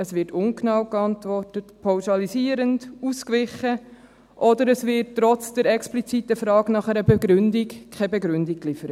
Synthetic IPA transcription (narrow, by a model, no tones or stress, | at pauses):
əsʋɪtʊŋknɑwkɑntʋɔrtətpʰɑwʃɑlisiəɾənduskʋɪχə | ʔɔdəɾəsvɪttːɾɔt͡sd̥əɾɛksplit͡sitəfɾɑːɡnɑχɛɾəbɛɡɾʏndikkʰɛbɛɡɾʏndikklɪfəɾət